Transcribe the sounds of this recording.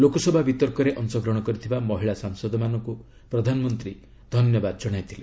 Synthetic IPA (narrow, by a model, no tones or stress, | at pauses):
lokɔsɔbʱabit̪ɔɾkɔɾeʔɔnsɔɡɾɔɽ̃ɔkɔɾit̪ʰibamɔɦiɭasaŋsɔd̪ʱɔmanɔŋku | pɾɔd̪ʱanɔmɔnt̪ɾi | d̪ʱɔnjɔbad̪ɔd͡ʒɔɽ̃ajt̪ʰile